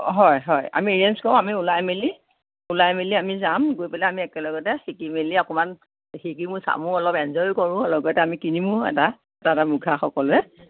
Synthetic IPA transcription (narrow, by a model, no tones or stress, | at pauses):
ɦɔjɦɔja̰mieɹiɛnskɔʊ̃amiulajmili | ulajmiliamizamɡojpalɛamiɛkɛlɔɡɔtɛxikimiliakʊman | xikimʊsa̰mʊ̃ɔlɔpɛnzɔjkɔɹʊ̃lɔɡɔtɛamikinimʊ̃ɛ̰ta | ɛtatamuɡʱaxɔkɔlʊɛ